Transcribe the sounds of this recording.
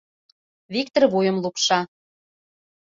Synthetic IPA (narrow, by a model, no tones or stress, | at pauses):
βik̚t̪ərβujə̆mlˠupʃɑ